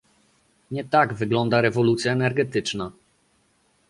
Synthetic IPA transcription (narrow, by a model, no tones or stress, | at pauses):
ɲɛt̪aɡvɘɡlɔnd̪aɾɛvɔlut̪sʲjaɛnɛɾɡɛt̪ɘt͡ʂna